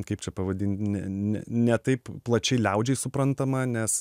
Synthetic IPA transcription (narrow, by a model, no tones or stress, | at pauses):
kɐɪp̚t͡ʃʲɛpɐʋɐd̪ʲiːnʲt̪ʲnʲɛnʲɛ̰nʲɛt̪ɐɪpplˠɐt͡ʃʲɛɪlʲɛʊd͡ʒʲɛɪsʊpɾɐnt̪ɐmɐnʲɛs